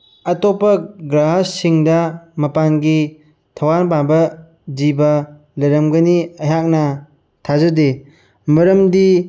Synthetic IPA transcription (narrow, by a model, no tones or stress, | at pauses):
ɐtopɐɡɾaɦassiŋdɐmɐpanɡi | tʰɐwaɾbabɐ | d͡ʒibɐ | lɐɾɐmɡɐniɐɦak̚nɐ | tʰazɐde | mɐɾɐmdi